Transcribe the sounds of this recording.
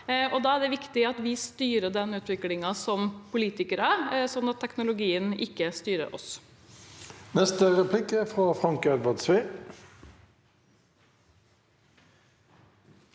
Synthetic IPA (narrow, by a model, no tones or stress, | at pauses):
ʔɔd̪ɑːæɖɛʋɪkt̪ɪɑt̪ʋɪst̪yːɾəɖ̪ɛnːʉːt̪ʋɪklɪŋɑsɔmpʰʊliːt̪ɪkəɾəsɔnːɑt̪ʰːɛknʊlʊɡiːənɪ̰kːəst̪yːɾə̰ɾʔɔ̰s | nɛst̪əʁɛpʰlɪkəfʁɑːfʁɑŋkɛd̪ʋəd̪sʋiː